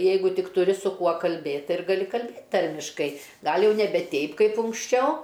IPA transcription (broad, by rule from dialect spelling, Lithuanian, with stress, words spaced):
ˈjɛɪɡʊ ˈtʲɪk tʊˈrʲɪ sʊ ˈkuɔ kɐlʲˈbʲeːtʲ ˈtɐɪ ɪr ɡɐˈlʲɪ kɐlʲˈbʲeːtʲ ˈtɐrʲmʲɪʃkɐɪ ˈɡɐlʲ ˈjɛʊ nʲɛˈbʲɛ ˈtʲɛɪp ˈkɐɪp ʊŋksʲˈt͡ʃʲɛʊ